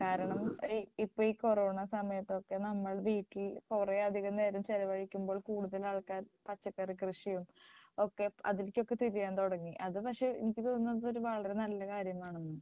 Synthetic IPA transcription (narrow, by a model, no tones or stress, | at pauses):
kaːɾɐɳɐmipːo̞ːiːkoro̞ːɳasɐmɐjɐt̪ːo̞kːe̞nɐmːɐɭʋiːʈːilkureɐd̪ʱiɣɐmne̞ːɾɐmt͡ɕelɐʋɐɻikʲːumboːɭkuːɽuðɐlaːɭkaːnpɐt͡ɕːɐkːɐrikrɨʂijumo̞kːe̞ɐ̰ðilkʲːo̞kːe̞t̪iɾijaːnt̪oɽɐŋːiʔɐðɨpɐkʂe̞enikʲːɨt̪oːnːɐððo̞ɾuʋɐɭɐɾe̞nɐlːɐkaːɾjɐmaːɳonːɨ